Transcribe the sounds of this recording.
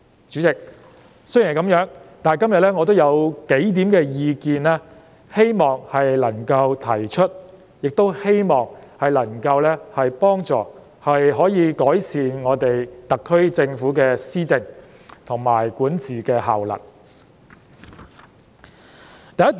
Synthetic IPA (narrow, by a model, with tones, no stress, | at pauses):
t͡ʃyː˨˥t͡sɪ˨k̚ | sɵ˥jjkɐ˨˥mjœː˨˥ŋt̪aː˨kɐ˥mjɐ˨t̚lɛː˥ŋɔː˨˧t̪o˥wjɐ˨˧wke˨˥jt̪iː˨˥mkɛː˧jiː˧kiː˨nlaː˥ | he˥jmɔː˨˩ŋhɐ˨jlɐ˨˩ŋkɐ˧wt̪ʰɐ˨˩jt͡ʃʰɵ˥t̚ | jɪ˨k̚t̪o˥whe˥jmɔː˨˩ŋhɐ˨jlɐ˨˩ŋkɐ˧wlɛː˥hɐ˨jpɔː˥ŋt͡sɔ̰ː˨˩ | hɐ˨jɦɔː˨˥jiː˨˧kɔː˨˥jsiː˨nŋɔː˨˧t̪e˨jt̪ɐ˨kʰːɵ˥ɥt͡sɪ˧ŋfuː˨˥kɛː˧siː˥t͡sɪ˧ŋ | t̪ʰʊ˨˩ŋma̰ː˨˩jkʷuː˨˥nt͡siː˨kɛː˧ɦa̰ː˨˩wlɐ̰˨˩t̚ | t̪ɐ˨jɐ˥t